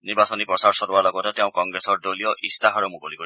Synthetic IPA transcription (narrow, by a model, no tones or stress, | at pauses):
niɹbasɔnipɹɔsaɹsɔɾuwaɹlɔɡɔtɛteʊ̃kɔŋɡɹesɔɹdolijɔʔistaɦaɹumukolikoi